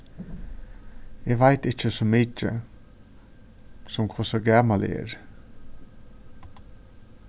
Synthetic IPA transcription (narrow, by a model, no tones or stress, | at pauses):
eːʋæɪt̪ɪçəsɔmɪt͡ʃə̰ | sɔmkʰʊsəɡæːmɑlḛḛːɾ